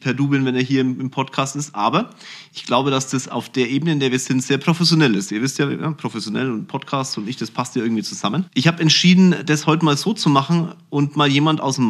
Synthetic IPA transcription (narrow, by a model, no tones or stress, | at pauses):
pʰɛɐduːbɪlnvɛneːɐɦiːɐɪmɪmpʰɔtkʰaːstɪstʔaːbɐʔɪçɡ̥laʊbəɾasd̥asa̰ʊfd̥eːɐʔeːbənəɪndeːɐviːɐz̥ɪntz̥eːɐpʁ̥ofɛsjonɛlɪstʔiːɐvɪstjaːja̰pʁ̥ofɛsjonɛ̰lʊnt̚pʰɔtkʰaːstt͡ssʊntɪçd̥aspʰastjaːɪɐŋ̩tv̥iːt͡suz̥amənʔɪçhaːbəɛntʃiːdn̩d̥ashɔʏtəmaːlzoːt͡sumaχn̩ʊntmaːljeːmantʔa̰ʊsm